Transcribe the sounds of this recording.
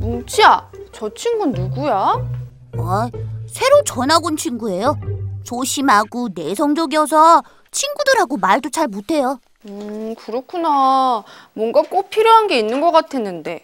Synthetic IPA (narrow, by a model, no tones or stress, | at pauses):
munt͡ɕʰiat͡ɕʌt͡ɕʰiŋɡunnuɡuja | asʰe̞ɾot͡ɕʌnaɡont͡ɕʰiŋɡue̞jot͡ɕoɕʰimɦaɡune̞sʰʌŋd͡ʑʌɡijʌs̬ʰʌ | t͡ɕʰinɡudɯɾɦaɡomaɭdot͡ɕʰaɭmutʰe̞jo | ɯkɯɾʌkʰuna | mwʌnɡak͈ok̚pʰiɾjoɦanɡe̞inːɯnɡʌk͈atʰe̞nːɯnde̞